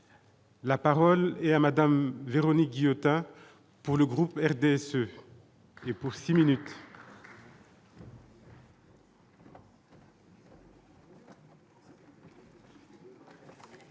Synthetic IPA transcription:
lapaʁɔlɛt̪amad̪amveʁɔnik̚ɡʲijot̪ɛ̃ | puʁləɡʁupɛʁd̪eɛsø | epuʁsiminyt̪

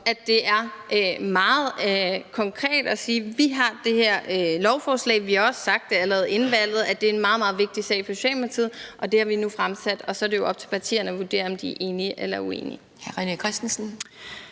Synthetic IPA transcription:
æ̥e̝ʔæɐʔømɑ̈ːð̩ˠkʰɒ̽ŋkʰʁɛ̰ːd̥ɒ̽siːʋiɦɑ̈d̥e̝heɐ̰lɒʊfɒːslɛ̰ɪʋihɑ̈ɒ̽ssɑ̈ɡ̥̚d̥eælɛːð̩ˠe̝nʋæl̰ð̞̩ˠæd̥e̝ɐenmɑ̈ːð̞̩ˠmɑ̈ːð̞̩ˠʋe̝ɡ̥̚d̥isɛ̰ɪpʰɒɕɛ̰ːmæt͡sʰið̩̰ˠʔɒ̽d̥e̝hɑ̈ʋinufʁamsæd̥ɒ̽sɒɾe̝jo̝ʔɒ̽b̥̚t͡sʰe̝lpʰɑ̈t͡sʰḭːɐnəɒʋuɐd̥e̝̰ːɐɒ̽md̥iæɐʔe̝ːniəʔelɐue̝̰ːni | hæʁinikʰʁɛsd̥n̩sn̩

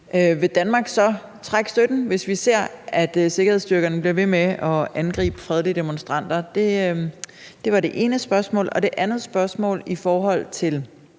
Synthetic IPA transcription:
ʔøʋe̝d̥ænmɑ̈ːɡ̥sɒ̽ | t͡sʰʁaɡ̥sd̥ød̥n̩ʋe̝sʋise̝ɐ̰æd̥se̝ɡ̥ɐheð̰ˠsd̥yɐɡ̥ɐnəb̥liɐʋe̝meʔɒ̽ænɡ̥ʁḭːb̥əfʁɛð̞ˠlid̥e̝monsd̥ʁɑ̈n̰d̥ɐd̥e̝ | d̥e̝ʋɑ̈ɾe̝ʔe̝ːnəsb̥ɶɐsmɔ̰ːlɒ̽d̥e̝ʔænð̩ˠsb̥ɶɐsmɔ̰̽ːlifɒːɦɒ̽l̰t͡sʰe̝l

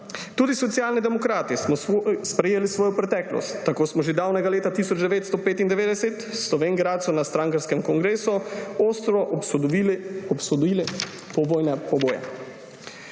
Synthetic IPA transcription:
t̪uːd̪isɔt̪sijaːlnid̪ɛmɔkɾaːt̪ismɔspɾɛjeːlisʋɔːjɔpɾɛt̪ɛːklɔ̰st̪ːakoːsmɔʒed̪awnɛɡaleːt̪at̪isɔd͡ʒd̪ɛʋeːt̪st̪ɔpeːt̪ind̪ɛʋeːd̪ɛsɛt̪slɔʋeːŋɡɾaːt̪sɔnast̪ɾaːŋkaɾskɛmkɔŋɡɾeːsuoːst̪ɾɔ | ɔpsɔd̪il | pɔʋoːjnɛpɔboːjɛ̰

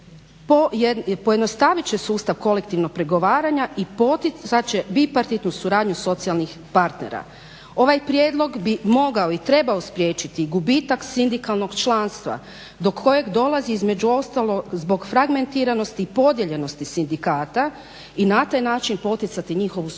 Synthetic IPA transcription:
popo̞jed̪no̞st̪aʋit͡ɕesuːst̪aʋko̞lekt̪iʋno̞k̚pɾe̞ɡo̞ʋaːɾaɲaʔipot̪iat͡ʃebipaɾt̪it̪nusuɾaːd̪ɲuso̞t̪sialˠnix | paɾt̪nḛɾa̰ | o̞ʋajpɾjeːd̪lˠo̞ɡbimo̞ɡaoit̪ɾe̞baospɾjeːt͡ʃit̪iɡubit̪aksind̪ikalˠno̞ɡt͡ʃlˠaːnst̪ʋa̰ | d̪o̞kʰːo̞je̞ɡd̪o̞lˠaziizme̞d͡ʑuo̞st̪alˠo̞ɡzbo̞ɡfɾaɡme̞nt̪iːɾano̞st̪iːpo̞d̪je̞ʎe̞no̞st̪isind̪ikaːt̪a | inat̪ajnaːt͡ʃinpo̞t̪it̪sat̪iɲiːxo̞ʋu

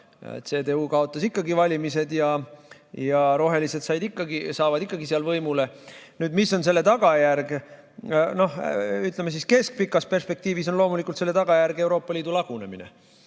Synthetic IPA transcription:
t̪se̞ːd̪e̞uːkɑo̞t̪ˑːɑsikːɑɡivɑlʲimise̞d̪jɑ | jɑɾo̞ɦe̞lise̞d̪sɑjd̪ikːɑɡisɑːvɑd̪̥ikːˑɑɡisiɑlvɤjmule̞nyːd̪misːo̞nse̞lːe̞t̪ɑɡ̥ɑjærɡ | no̞hyt̪ˑlemes̬iske̞sk̚pikːˑɑspe̞rspe̞k̚t̪iːviso̞nlo̞ːmulikːˑult̪se̞lːe̞t̪ɑɡ̥ɑjærɡewɾo̞ːpːˑɑliːd̪ulɑɡ̥une̞̰mḭne̞̰

